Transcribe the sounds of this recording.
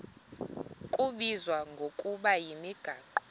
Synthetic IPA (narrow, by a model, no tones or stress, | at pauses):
kʼuɓizwaŋɡʱokʼuɓajimiɡ̥ʱaːǃɔ̥